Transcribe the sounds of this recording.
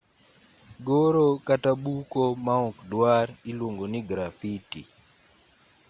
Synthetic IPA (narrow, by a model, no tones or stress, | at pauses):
ɡɔɾɔkataɓukɔmaɔkdwaɾilwoŋɡɔniɡɾafitḭ